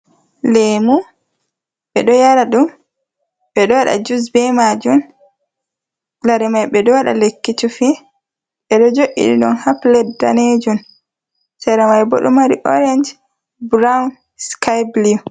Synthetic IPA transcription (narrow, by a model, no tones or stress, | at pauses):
lemu | ɓɛɗɔjaɾaɗum | ɓɛɗɔwaɗa̰d͡ʒus̬bɛmad͡ʒun | laɾimajɓɛɗɔwaɗa̰lekːitufi | ɓɛɗɔd͡ʒoʔḭɗḭɗɔnhaplɛdda̰ned͡ʒun | sɛɾamajbo̰ɗṵmaɾḭʔɔ̰ɾɛnd͡ʒ | bɾawn | skajbliu